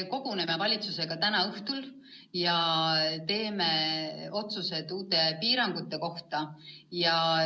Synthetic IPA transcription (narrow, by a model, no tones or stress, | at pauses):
ko̞ɡ̥une̞me̞vɑlʲit̪suse̞ɡ̥ɑt̪ænɑɤht̪ul | jɑt̪e̞ːme̞o̞t̪suse̞d̪uːt̪ˑe̞piːɾɑŋɡ̥ut̪ːˑe̞ko̞ht̪ɑjɑ